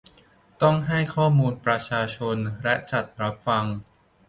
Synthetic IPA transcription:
t̪ɔ˥˩ŋɦa˥˩jkʰɔː˥˩muː˧npɾa˧t͡ɕʰaː˧t͡ɕʰo˧nlɛ˦˥ʔt͡ɕa˨˩t̪̚ɾa˦˥p̚fa˧ŋ

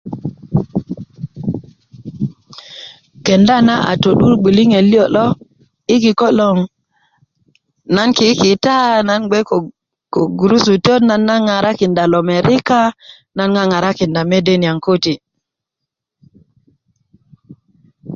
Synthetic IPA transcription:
ke˨nda˦na˦ʔa̰˨to˨ɗu˦ɾɡ͡bi˨li˦ŋe˨li˦o˨lo˦ | i˦ki˨ko˦lo˨ŋ | na˦nki˨˦ki˨ta˦na˦nɡ͡be˦ko˨ | ko˨ɡu˨ɾu˦su˨to˦tna˦nːa˦ŋa˨ɾa˦ki˨nda˨lo˨me˨ɾi˦ka˦ | na˦nŋa˦ŋa˨ɾa˦ki˨nda˨me˦de˦ni˨a˨ŋko˦ti˨

